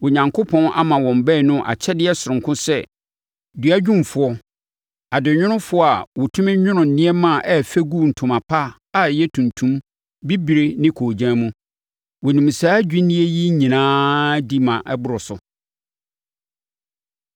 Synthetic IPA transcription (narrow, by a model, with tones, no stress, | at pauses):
wʊ˨ɲã˨ŋkʰo˦pʰɔ̃˦nʔa̰˦mã˨wɔ̃˨m̩˨bɛ˦˨nʊ̃˦ʔa̰˨t͡ɕʰɛ˦dɪ˦ɛ˦sʊ˨ɾʊ̃˨ŋ˨kʰʊ̃˦sɛ˦˨ | du˨a˦d͡ʑᶣũ˦m˨fʊ˨ɔ˦ | a˨dɪ˨ɲᶣʊ̃˦nʊ̃˦fʊ˦ɔ˦a˨wʊ˨tʰʊ̃˦mɪ̃˦ɲᶣʊ̃˦nʊ̃˨n̩˨nɪ̃˦ɛ˦mã˦˨ʔɛ˦˨fɛ˦ɡu˦˨n̩˨tʰʊ̃˨mã˨pʰa˦ | a˨jɛ˦tʰũ˨ntʰũ˦m | bi˦bi˨ɾe˦nɪ̃˦kʰoː˨d͡ʑã˦mũ˦ | wɔ˨nũ˨m̩˨saː˦d͡ʑᶣi˦nɪ̃˦e˦ji˦ɲĩ˨nãː˦di˦mã˨ʔɛ˦bʊ˦ɾɔ˨sʊ˨